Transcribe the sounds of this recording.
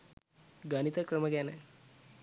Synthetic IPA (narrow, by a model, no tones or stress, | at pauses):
ɡɐnit̪ɐkɾɐmɐɡɛːne